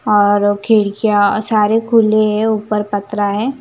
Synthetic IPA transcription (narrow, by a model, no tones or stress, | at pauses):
ɔːɾkʰeːɽkijasaːɾekʰuːleɦɛuːpəɾpɐt̪ɾaɦɛː